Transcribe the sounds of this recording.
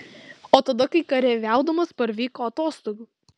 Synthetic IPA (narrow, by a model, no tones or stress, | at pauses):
oːt̪ɐd̪ɐkɐɪkɐɾʲɛʋʲæˑʊd̪ɐmɐspɐɾʋʲiːkoːɐt̪oːst̪oːɡuː